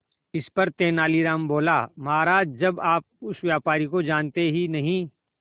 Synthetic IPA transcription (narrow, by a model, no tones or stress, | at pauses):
ɪspɐɾt̪eːnaːliɾaːmboːlaːmɐɦaːɾaːd͡ʒd͡ʒɐbaːp̚ʊsʋjaːpaːɾikod͡ʒaːnt̪eɦinɐɦĩː